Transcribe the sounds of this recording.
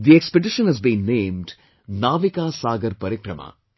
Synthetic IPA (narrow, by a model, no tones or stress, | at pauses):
d̪iekspeɖɪʃə̃nɦɛzbĩːnːẽːmɖ | naːʋikaːsaːɡɐɾpɐɾɪkɾɐma̰